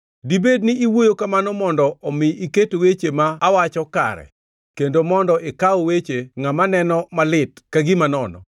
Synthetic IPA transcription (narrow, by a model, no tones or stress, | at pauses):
dibed̚nɪiwojokamanɔmɔndɔɔmɪiketowet͡ʃemaːwat͡ʃɔka̰ɾɛ̰ | kendomɔndɔʔekaɔwet͡ʃeŋamanɛnɔmalɪtkaɡɪmanɔnɔ̰